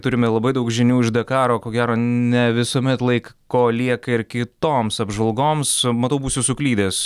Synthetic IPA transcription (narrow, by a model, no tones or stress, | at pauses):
t̪ʊɾʲɪmʲɛlˠɐbɐɪd̪ɐʊkʒʲɪnʲuːɪʃʒd̪ɐkɑːɾoːkoːɡʲæːɾoːnʲɛʋʲɪsoːmʲɛt̪lˠɐɪkkːoːlʲiɛkɐɪɾkʲɪt̪oːmsɐbʒɐlˠɡoːmsmɐt̪ɐʊbuːsʲʊsʊklʲiːd̪ʲeːs